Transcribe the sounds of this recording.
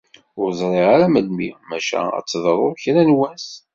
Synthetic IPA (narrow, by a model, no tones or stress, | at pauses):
ʊɾzˤɾˤeʁaɾæməd̪mimæʃæ̰æ̰t͡sːðˤɾˤʊɾˤçɾænwæns